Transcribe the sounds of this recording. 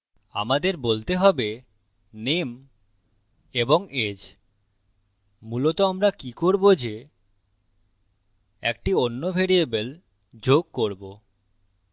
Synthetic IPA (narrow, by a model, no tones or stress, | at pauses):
a̰mad̪eɾbolt̪eɦɔbe | nem | eboŋed͡ʑ | mulot̪oamɾakikoɾbod͡ʑe | ḛk̚ʈionːobʱeɾiebel | d͡ʑoɡ̚koɾbo